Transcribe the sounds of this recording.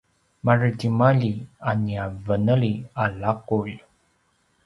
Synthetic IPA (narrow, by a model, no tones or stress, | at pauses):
marətimaʎianiavənəɭialakuʎ